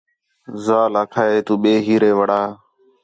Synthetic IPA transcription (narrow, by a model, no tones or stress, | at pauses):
zaːlaːkʰaːeːt̪uːɓeːɦiːɾeːʋəɽaː